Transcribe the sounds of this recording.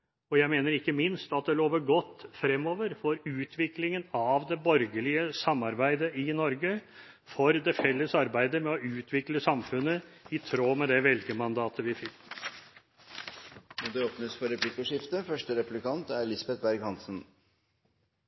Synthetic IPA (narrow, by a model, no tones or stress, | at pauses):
ɔjæɪmeːnəɾɪkːəmɪnst̪ɑt̪̚d̪ɛloːʋəɾɡɔt̪ːfɾɛmːoːʋəɾfoːɾʉːt̪ʰʋɪklɪŋənɑʋd̪ɛbɔɾɡəlɪəsɑmːɑɾbæɪd̪əʔɪnɔɾɡə | fɔɾd̪ɛfɛlːəsɑɾbæɪd̪əmɛɔʉːt̪ʰʋɪkləsɑmfʉnːəɪt̪ʰɾoːmɛd̪ɛʋɛlɡəmɑnd̪ɑːt̪ʰəʋɪfɪkː | nɔd̪ɛoːpnəsfɔɾɛpʰlɪkːəʂɪft̪əfœʂʈəɾɛpʉlɪkɑnt̪æɾlɪsbɛt̪̚bæɾɡhɑnsən̩